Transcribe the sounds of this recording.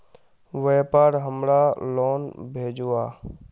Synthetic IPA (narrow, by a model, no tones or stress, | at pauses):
ʋeːpaːɾɦəmɾaloːnbʱeːd͡ʒuːaː